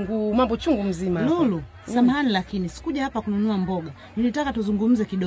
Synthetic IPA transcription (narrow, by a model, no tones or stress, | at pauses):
ŋɡumambɔt͡ʃuŋɡum̩zimalulu | samhanilakinisi̥kuʄahapakununuambɔɡa | nilitakatuzuŋɡum̩zɛkiɗɔ